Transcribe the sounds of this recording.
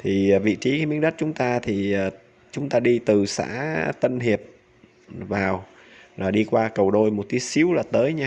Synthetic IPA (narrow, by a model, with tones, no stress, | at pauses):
t̪ʰi˨˩vḭ˧˨t͡ɕi˨˦kaː˨˦jmi˧˦əŋɗə˦˥t̚t͡ɕʊ˨˦ŋ͡mt̪aː˧t̪ʰi˨˩əː˨˩ | t͡ɕʊ˨˦ŋ͡mt̪aː˧ɗi˧t̪ɨ˨˩sa̰ː˧˥t̪ə˧nhi˨˩əp̚ | vaː˨˩w | laː˨˩ɗi˧kwaː˧kə˨˩wɗo˧jmo˨˩t̚ki˨˦jsi˨˦əwlaː˨˩t̪əː˨˦jɲaː˧